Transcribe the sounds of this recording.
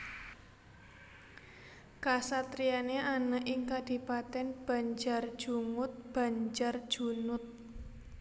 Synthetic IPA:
kasat̪ɾijaneanəʔɪŋkad̥i̤pat̪ɛnb̥a̤ɲd͡ʒar̥ʒ̥uŋʊt̪̚b̥a̤ɲd͡ʒar̥ʒ̥unʊt̪̚

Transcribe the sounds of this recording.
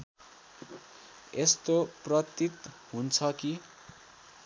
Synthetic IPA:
est̪oprʌt̪it̪ | ɦunt͡sʰʌki

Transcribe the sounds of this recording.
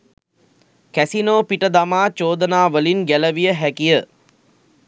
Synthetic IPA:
kæsinoːpiʈəd̪amaːt͡ʃoːd̪ənaːʋəlinɡæləʋijəɦækijə

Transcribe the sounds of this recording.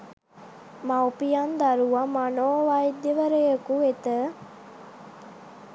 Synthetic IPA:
maupijand̪aɾuʋamanoːʋaid̪ːeʋəɾejəkuet̪ə

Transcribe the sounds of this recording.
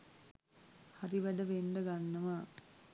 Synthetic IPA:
haɾiʋæɖəʋenɖəɡanːəʋa

